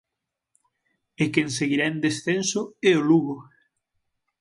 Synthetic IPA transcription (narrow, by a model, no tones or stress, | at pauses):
ekenseɣiɾand̪esθensʊeoluɣo